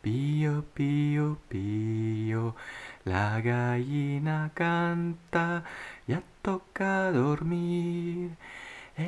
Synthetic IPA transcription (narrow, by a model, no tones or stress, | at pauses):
pijopijopijolaɡajinakɑnt̪ɑjɑt̪ːokːɑd̪ormi | e